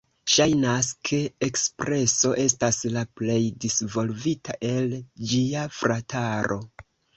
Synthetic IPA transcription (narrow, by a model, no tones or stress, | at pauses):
ʃajnaskʰe̞ːkspɾʔe̞so̞ʔe̞staslaple̞jdisvo̞lvitaʔe̞ld͡ʒiafɾatʰaɾʔo̞̰